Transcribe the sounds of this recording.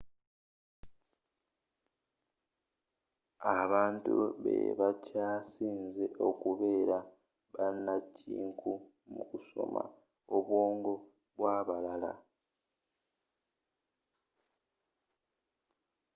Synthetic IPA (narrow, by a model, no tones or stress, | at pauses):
aβaːntṵβḛβacaːsiːnze̞ʔo̞kuβe̞ːɾa | βanːacḭːŋkʰu | mukuso̞̰ma̰ | oβwo̞ːŋɡo̞ | βwaːβalala̰